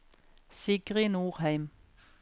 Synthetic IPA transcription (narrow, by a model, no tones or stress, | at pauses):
sɪɡʁɪnuːʁhæɪm